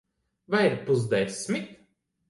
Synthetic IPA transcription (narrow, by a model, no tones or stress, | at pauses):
vajiɾpuz̬d̪ɛsʲmʲit̪